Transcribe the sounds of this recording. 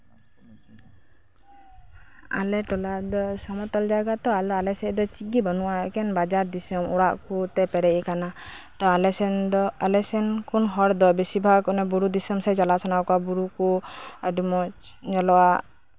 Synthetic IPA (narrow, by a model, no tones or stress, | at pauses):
a̰lɛʈɔlad̪ɔsɔmɔt̪ɔld͡ʒaɡat̪ɔalɔalɛsɛd̪ɔt͡ʃiɡibɔnuwaɛkɛnbad͡ʒaɾd̪isɔmɔɽaʔkut̪ɛpɛɾɛʔɛkana | t̪ɔlɛɛnɔalɛsɛnkunɦɔɾd̪ɔbɛsibʱakɔnɛbuɾud̪isɔmsɛd͡ʒalasɔnawkabuɾukuadumɔt͡ʃɲɔlɔwaʔ